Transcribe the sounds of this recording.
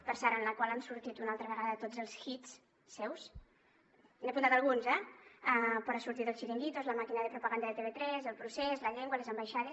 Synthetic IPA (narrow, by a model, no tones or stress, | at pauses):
pəɾsɛɾənləkwalansuɾt̪it̪unalˠt̪ɾəβəɣaðət̪od͡zəlˠsxit͡s | sɛws | neapunt̪at̪əlˠɣunzɛɛpɔɾasuɾt̪it̪əlˠsʃiɾiŋɡit̪ozləmakinəðəpɾupəɣand̪əðet̪eβet̪ɾɛzəlˠpɾusɛzləʎɛŋɡwəlezəmbajʃaðe